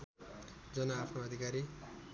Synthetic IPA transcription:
d͡zʌnaːpʰnoʌd̪ʱikaɾi

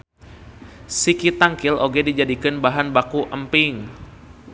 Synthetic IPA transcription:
sikit̪aŋkɪlʔoɡɛdid͡ʒadikɨnbaɦanbakuʔəmpɪŋ

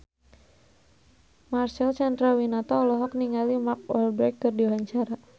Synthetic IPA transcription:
marsɛlt͡ʃand̪ɾawinat̪ɔɔlɔɦɔk̚niŋalimak̚ɔlbɾɛkːɨrdiaɦaɲt͡ʃaɾa

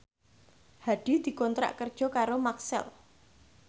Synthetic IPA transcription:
haɖ̥id̪̥i̤kɔnt̪ɾa̰ʔkərd̥ʒ̥ɔ̤kaɾomaksɛ̰l

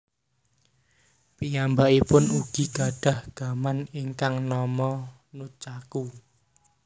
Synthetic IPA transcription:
pijambaʔipʊnuɡ̥i̤ɡ̥a̤ɖ̥a̤hɡ̥a̤maniŋkaŋnɔmɔ | nut͡ʃaku

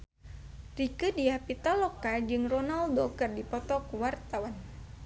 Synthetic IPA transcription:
rikɨdiapit̪alɔkad͡ʒɨŋrɔnaldokərdipɔt̪ɔkuwart̪awan

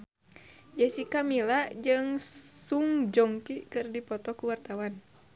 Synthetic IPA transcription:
d͡ʒɛsikamilad͡ʒɨŋsuŋd͡ʒɔŋkikɨrdipɔt̪ɔkuwart̪awan

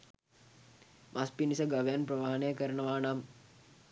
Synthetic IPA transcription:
mʔaspinisɐɡɐʋejanpɾɐʋaɦɐnəjəkəɾəɳəʋaːnam

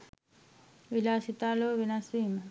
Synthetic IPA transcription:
ʋilaːsit̪aːloːʋinɐsʋiːmɐ

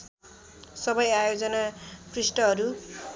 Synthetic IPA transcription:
sʌbʌjajod͡zʌnakrisʈʌɦʌɾu

